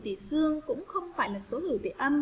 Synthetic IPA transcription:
t̪ḭ˧˩zɨ˧əŋkʊ̰˧˥ŋ͡mxə˧wŋ͡mfaː˧˩jlaː˨˩so˨˦hi˧˩wt̪ʰḭ˧˩ʔə˧m

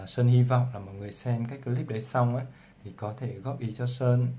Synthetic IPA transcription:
səː˧nhi˧vɔ̰˨˧˨wŋ͡mlaː˨˩mɔ̰˧˨jŋɨ˨˩əjsɛ˧mkaː˦˥k̚kə˨˦li˦˥p̚ɗə˨˦jsa˧wŋ͡mʔaː˨˦ | t̪ʰi˨˩kɔ˨˦t̪ʰe˧˩ɣɔ˦˥p̚ʔi˨˦t͡ɕɔ˧səː˧n

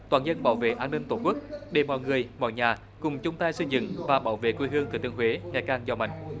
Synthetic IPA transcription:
t̪waː˨˩nzə˧nɓaː˧˩wvḛ˧˨ʔaː˧nːï˧ŋt̪o˧˩ku˦˥k̚ɗe˨˩ɓɔ̰ː˧˨˩wŋɨ˨˩əjmɔ̰˧˨jɲaː˨˩ | kʊ˨˩ŋ͡mt͡ɕʊ˨˦ŋ͡mt̪aː˧jsɨ˧zɨ̰˧˨ŋvaː˨˩ɓaː˧˩wvḛ˧˨kwi˧ɦɨ˧əŋt̪ɨ˨˧˩t̪ɨ˧əŋɦwe˨˦ŋa˨˩kaː˧nzɔ˧ma̰˧˨jŋ̟

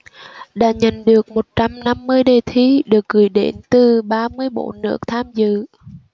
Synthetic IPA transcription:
ɗa̰ː˧˥ɲə˧˩˨nɗɨ˨˩ək̚mo˨˩t̚t͡ɕa˧mna˧mːɨ˧əjɗe˨˩t̪ʰi˧˦ɗɨ˨˩ək̚ɣɨ˨˩jɗe˧˦nt̪ɨ˨˩ɓaː˧mɨ˧əjɓo̰˧˥nɨ̰˧˥ək̚t̪ʰaː˧mzɨ̰˧˨

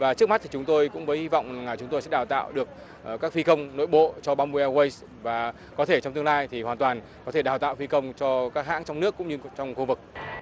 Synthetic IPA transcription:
vaː˨˩t͡ɕɨ˦˥k̚m˦˥t̪ʰi˨˩t͡ɕʊ˨˦ŋ͡mt̪o˧jkʊ̰˧˥ŋ͡mvəː˨˦jhi˧vɔ̰˧˨wŋ͡mlaː˨˩ŋaː˨˩t͡ɕʊ˨˦ŋ͡mt̪o˧jsɛ̰˧˥ɗaː˨˩wt̪a̰ː˧˨wɗɨ˨˩ək̚ː | kaː˦˥k̚fi˧xə˧wŋ͡mno̰˧˨jɓo̰˧˨t͡ɕɔ˧ɓaː˧mu˧ʔɛ˧wə˧js | vaː˨˩ | kɔ˨˦t̪ʰe˧˩t͡ɕɔ˧ŋ͡mt̪ɨ˧ŋlaː˧jt̪ʰi˨˩hwaː˨˩nt̪waː˨˩n | kɔ˨˦t̪ʰe˧˩ɗaː˨˩wt̪a̰ː˧˨wfi˧kə˧wŋ͡mt͡ɕɔ˧kaː˦˥k̚ha̰ː˧˥ŋt͡ɕɔ˧wŋ͡mnɨ˦˥əkːʊ̰˧˥ŋ͡mɲɨ˧t͡ɕɔ˧wŋ͡mxu˧vɨ˨˩k̚

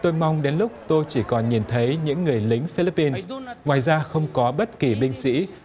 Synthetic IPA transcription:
t̪o˧jma˧wŋ͡mɗe˨˦nlʊ˦˥k͡p̚t̪o˧jt͡ɕi˧˩kɔ˨˩nɲi˨˩nt̪ʰə˨˦jɲɨ̰˧˥ŋːɨ˨˩əjlï˨˦ŋ̟fi˧li˦˥pːi˧nssŋwaː˨˩jzaː˧xə˧wŋ͡mkɔ˨˦ɓə˦˥t̚ki˨˩ɓï˧ŋ̟sḭ˧˥

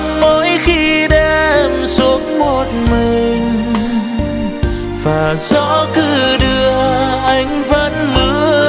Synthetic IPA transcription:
ŋmo˧˦jxi˧ɗɛ˧msu˨˦əŋmo˨˩t̚mi˨˩ŋ̟ | vaː˨˩z̥ɔ̰˧˥kɨ˧˩ɗɨ˧əʔa˧˩jŋ̟və˧˥nmɨ˧˥

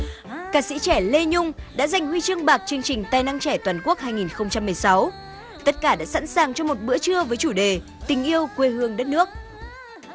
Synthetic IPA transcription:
kaː˧˩sḭ˧˥t͡ɕɛ˧˩le˧ɲʊ˧ŋ͡mɗa̰ː˧˥za˨˩jŋ̟hwi˧t͡ɕɨ˧əŋɓaː˨˩k̚t͡ɕɨ˧əŋt͡ɕï˨˩ŋ̟t̪aː˧jna˧ŋt͡ɕɛ˧˩t̪waː˨˩nku˦˥ək̚haː˧jŋi˨˩nxə˧wŋ͡mt͡ɕa˧mːɨ˨˩əjsa˨˦w | t̪ə˦˥t̚kaː˧˩ɗa̰ː˧˥sa̰˧˥nsaː˨˩ŋt͡ɕɔ˧mo˨˩t̚ɓɨ̰˧˥ət͡ɕɨ˧əvəː˨˦jt͡ɕu˧˩ɗe˨˩ | t̪ï˨˩ŋ̟ʔi˧əwkwe˧hɨ˧əŋɗə˦˥t̚nɨ˦˥ək̚

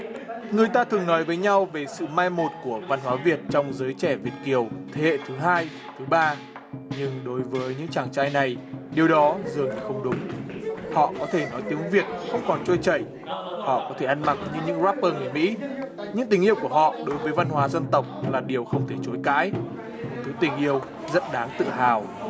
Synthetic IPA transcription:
ŋɨ˨˩əjt̪aː˧t̪ʰɨ˨˩əŋnɔ˨˦jvəː˨˦jɲa˧wve˨˩sɨ̰˧˨maː˧jmo˨˩t̚ku˧˩əva˧nɦwaː˨˦vi˨˩ət̚t͡ɕɔ˧wŋ͡mzəː˨˦jt͡ɕɛ˧˩vi˨˩ət̚ki˨˩əwt̪ʰe˨˦hḛ˧˨t̪ʰɨ˨˦ɦaː˧j | t̪ʰɨ˨˦ɓaː˧ | ɲɨ˧ŋɗo˨˦jvəː˨˦jɲɨ̰˧˥ŋt͡ɕaː˧˩ŋt͡ɕaː˧jna˨˩jɗi˨˩əwɗɔ˨˦zɨ˨˩əŋa˨˩xə˧wŋ͡mɗʊ˨˦ŋ͡mhɔ̰˧˨kɔ˨˦t̪ʰe˧˩nɔ˨˦jt̪i˨˦əŋvi˨˩ət̚xə˧wŋ͡mkɔ˨˩nt͡ɕo˧jt͡ɕə̰˧˩j | hɔ̰˧˨kɔ˨˦t̪ʰe˧˩ʔa˧nma˨˩k̚ɲɨ˧ɲɨ̰˧˥ŋzaː˦˥p̚ːəː˧ŋɨ˨˩mḭ˧˥ɲɨ̰˧˥ŋt̪ï˨˩ŋ̟ʔi˧əwku˧˩əɦhɔ̰˧˨ɗo˨˦jvəː˨˦jva˧nɦwaː˨˦zə˧nt̪ə˨˩wk͡p̚laː˨˩ɗi˨˩əwxə˧wŋ͡mt̪ʰe˧˩t͡ɕo˨˦jka̰ː˧˥j | t̪i˨˦t̪ï˧˩ŋ̟ʔi˧əw | zə̰˦˥t̚ɗaː˨˦ŋt̪ɨ̰˧˨ɦaː˨˩w

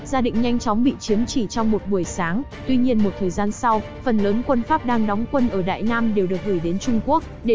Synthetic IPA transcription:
zaː˧ɗḭ˧˨ŋ̟ɲa˧jŋ̟t͡ɕɔ˨˦wŋ͡mɓḭ˧˨t͡ɕi˨˦əmt͡ɕi˧˩t͡ɕɔ˧wŋ͡mmo˨˩t̚ɓu˧˩əjsaː˨˦ŋ | t̪wi˧ɲi˧ənmo˨˩t̚t̪ʰəː˨˩jzaː˧nsa˧w | fə˨˩nləː˨˦nkwə˧nfaː˦˥p̚ɗaː˧ŋɗɔ˨˦wŋ͡mkwə˧nʔəː˧˩ɗa̰ː˧˨jnaː˧mɗe˨˩wɗɨ˨˩ək̚ɣɨː˧˩jɗe˨˦nt͡ɕʊ˧ŋ͡mku˦˥ək̚ɗe˧˩

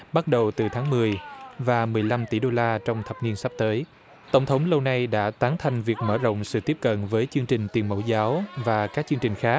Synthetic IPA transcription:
ɓa˦˥t̚ɗə˨˩wt̪ɨ˨˩t̪ʰaː˨˦ŋmɨ˨˩əjvaː˨˩mɨ˨˩əjla˧mt̪i˧˩ɗo˧laː˧t͡ɕɔ˧wŋ͡mt̪ʰə˨˩p̚ni˧ənsa˦˥p̚t̪əː˨˦j | t̪ə˧˩wŋ͡mt̪ʰə˨˦wŋ͡mlə˧wna˧jɗa̰ː˧˥t̪aː˨˦nt̪ʰa˨˩jŋ̟vi˨˩ək̚məː˧˩zo̰˧˨wŋ͡msɨ̰˧˨t̪i˦˥əp̚kə̰˧˨nvəː˨˦jt͡ɕɨ˧əŋt͡ɕï˨˩ŋ̟t̪i˨˩ənmə̰˧˥˩wzaː˨˦wvaː˨˩kaː˦˥k̚t͡ɕɨ˧ŋt͡ɕï˨˩ŋ̟xaː˦˥k̚

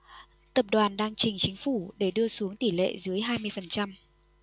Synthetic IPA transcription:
t̪ə˨˩p̚ɗwaː˨˩nɗaː˧ŋt͡ɕï˨˩ŋ̟t͡ɕï˨˦ŋ̟fu˧˩ɗe˧˩ɗɨ˧əsu˨˦əŋt̪i˧˩lḛ˧˨zɨ˨˦əjɦaː˧jmɨ˧əjfə˨˩nt͡ɕa˧m

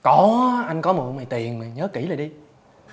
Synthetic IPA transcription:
kɔ˨˦ʔa˧jŋ̟kɔ˨˦mṵ˨˩ma˨˩jt̪i˨˩ənmi˨˩ɲəː˨˦ki˧˩laː˨˩jɗi˧

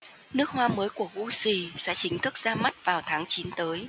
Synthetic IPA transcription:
nɨ˦˥ək̚hwaː˧məː˨˦jku˧˩əɣu˧si˧˩sɛ̰˧˥t͡ɕï˨˦ŋ̟t̪ʰɨ˦˥k̚zaː˧ma˦˥t̚vaː˨˩wt̪ʰaː˨˦ŋt͡ɕi˨˦nt̪əː˨˦j

